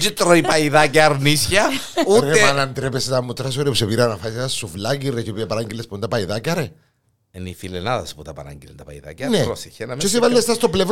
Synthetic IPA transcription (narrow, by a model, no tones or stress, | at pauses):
t͡ʃit̪ɾoipaiðak̬eaɾnisjauɾemanant̪ɾepeset̪amːut̪ːɾas̬oɾepuseβiɾanafajsasuflaɣiret͡ʃipiapaɾaŋɡilespond̪apajðakaɾe | enifilenaðasput̪apa̰ɾa̰ŋɡilḛnt̪apa̰jða̰kaneosiçenamt͡ʃes̬iβalːest̪ast̪oplef